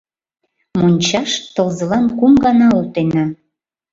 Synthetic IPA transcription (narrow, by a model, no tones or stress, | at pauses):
monʲt͡ɕɑʃt̪ɤ̆lzə̆lɑnkumɡɑnɑot̪enɑ